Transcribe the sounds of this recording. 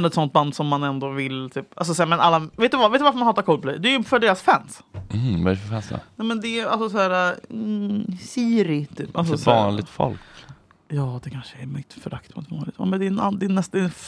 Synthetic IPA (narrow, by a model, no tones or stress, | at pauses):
nɔɛt̪sɔnt̪̚band̪sɔmːanɛnd̪ɔvɪlt̪ʰyːpals̬ɔsɛmɛnʔalːaveːt̪d̪ɵvavet̪ɵvaɾfəmanɑːt̪aɾkʰɔlpɔd̪ɛ̰jd̪ɛæɾjɪfœɖeːɾasfæns̩ | vaɾfœfɛnsɛ̰nɛmɛnd̪ɛalsɔsɔhæːɾa | siːɾɪt̪ʰyːpːʔalsɔvɑːnlɪt̪fɔ̰lk | jɑːd̪ɛkʰanʂəɛɾmʏt̪ːfœɾakt̪pʰɔɔ̰t̪vɑ̰ːnlɪɡt̪ɛ̰ːmɛnd̪ɛna̰nd̪ɛnːɛst̪ːɛ